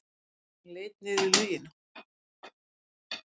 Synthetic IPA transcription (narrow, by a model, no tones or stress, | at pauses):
leːjt̪̚nɪðʏlœːjɪna